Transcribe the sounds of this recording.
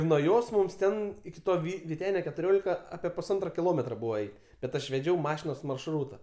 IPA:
nuɔ ˈjoːs ˈmʊms ˈtʲɛn ɪkʲɪ ˈtoː ˈʋʲiː ʋʲiːˈtʲæːnʲoː kʲɛtʊˈrʲoːlʲɪkɐ ˈɑːpʲiɛ pʊsˈɐntroː kʲɪˈlˠoːmʲɛtroː ˈbuːʋɐ ˈɛɪtʲ bʲɛt ˈɐʃ ʋʲɛˈd͡ʒʲɛʊ ˈmɑːʃʲɪnoːs mɐrʃˈruːtɐ

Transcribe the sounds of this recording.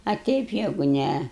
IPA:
ɐ ˈtʲɛɪp ˈjæːɡʊ ˈnʲɛ

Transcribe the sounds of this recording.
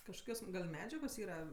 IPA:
kɐʃˈkɐs ɡɐlʲ ˈmʲæːd͡ʒʲɛɡoːs ˈiːrɐ

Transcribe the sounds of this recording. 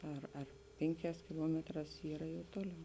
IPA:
ˈɐr ɐr ˈpʲeːŋʲˌkʲɛːs kʲɪˈlˠuɔmʲɛtˌrɑːs ˈiːrɐ jɛʊ ˈtoːˌlʲɛʊ

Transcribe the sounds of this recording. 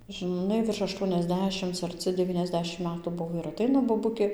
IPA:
ʒɨˈnɐɪ ʋʲɪrʃ ɐʃˌtuɔnʲɛzʲˈdʲæːʃʲɪmt͡s ɐrʲˈt͡sʲɪ dʲɛˌʋʲiːnʲɛzʲˈdʲæːʃʲɪm ˈmʲæːtuː ˈbʊʋoː ɪr ɐˈtʲɛɪnɐ boːˈbʊkʲeː

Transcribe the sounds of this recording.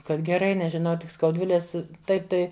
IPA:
ˈkɐt ɡʲɛˈrɐɪ nʲɛʒʲɪˈnɐʊ tʲɪk skɐʊdʲˈʋʲɪlʲeːs ˈtɐɪp tɐɪ

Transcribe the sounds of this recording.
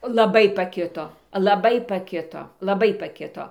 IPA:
lˠɐˈbɐɪ pɐˈkʲɪtoː lˠɐˈbɐɪ pɐˈkʲɪtoː lˠɐˈbɐɪ pɐˈkʲɪtoː

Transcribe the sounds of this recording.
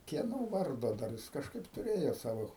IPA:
kʲiɛˈnoː ˈʋɐrdoː dɐr jɪs kɐʃˈkɐɪp tʊˈrʲeːjoː ˈsɑːʋoː

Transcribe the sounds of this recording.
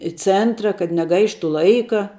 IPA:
ɪ ˈt͡sʲɛntrɐ kɐt nʲɛˈɡɐɪʃtʊ ˈlˠɐɪkɐ

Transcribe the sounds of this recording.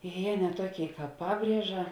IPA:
jeː nʲɛ ˈtuɔˌkʲeːɪ ˈkɑːp ˈpɑːbʲrʲiɛʒɐ

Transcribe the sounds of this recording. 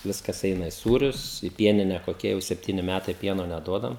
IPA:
ˈʋʲɪskɐs ˈɛɪnɐ ɪ ˈsuːrʲʊs ɪ ˈpʲiɛnʲɪnʲɛ koːˈkʲiɛ jɛʊ sʲɛpʲˈtʲiːnʲɪ ˈmʲætɐɪ ˈpʲiɛnoː nʲɛˈduɔdɐm

